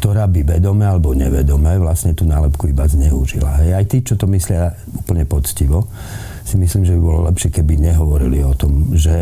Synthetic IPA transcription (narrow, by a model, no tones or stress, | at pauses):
kt̪ɔɾaːbiʋɛd̪ɔmɛːalɛbɔɲɛʋɛd̪ɔmɛːʋlasɲɛt̪uːnaːlɛpkuibazɲɛuʒḭla̰ɦɛjajt̪iːt͡ʃɔt̪ɔmislɪa | uːpl̩ɲɛpɔt͡sciʋɔ | simisliːmʒɛbibɔlɔlɛpʃɪɛkɛbiɲɛɦɔʋɔɾiliɔt̪ɔmʒɛ